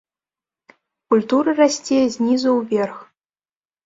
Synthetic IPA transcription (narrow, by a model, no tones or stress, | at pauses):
kulʲt̪uɾɨrasʲt͡sʲejɐzʲnʲizɐwvʲerx